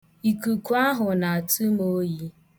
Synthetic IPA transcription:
i˨ku˨ku˦a˦ɦʊ˨na˨a˨tu˦mo˦ji˦

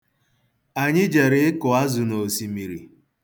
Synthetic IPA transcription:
a˨ɲɪ˦d͡ʒe˨ɾɪ˨ɪ˦kʊ˨a˦zʊ˨no˨si˨mi˨ɾi˨

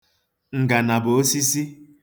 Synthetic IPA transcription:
ŋ̩˨ɡa˨na˨bo˨o˦si˦si˦

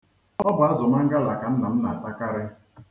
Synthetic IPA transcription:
ɔ˦bʊ˨a˦zʊ˨ma˦ŋ̩˦ɡa˦la˨ka˨n̩˦na˨m̩˦na˨a˨ta˦ka˦ɾɪ˦

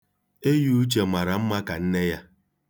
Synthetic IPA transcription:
e˦ju˦u˦t͡ʃe˨ma˨ɾa˨m̩˦ma˦ka˨n̩˦ne˦ja˦

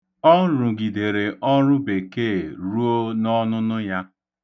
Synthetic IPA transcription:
ɔ˦ɾʊ˨ɡi˨de˨ɾe˨ʔɔ˦ɾʊ˦be˨ke˦˨ɾu˦o˦nɔ˦nʊ˦nʊ˦ja˦

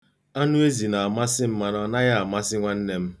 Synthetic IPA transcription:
a˦nu˦e˦zi˨na˨a˨ma˦sɪ˦m̩˦ma˦nɔ˦na˦ɣa˦a˨ma˦sɪ˦ŋʷa˦n̩˦ne˦m̩˦

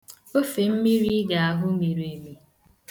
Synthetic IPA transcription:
o˦fe˨m̩˦mi˦ɾi˦ɡa˨a˨ɦʊ˦me˨ɾe˨mi˨

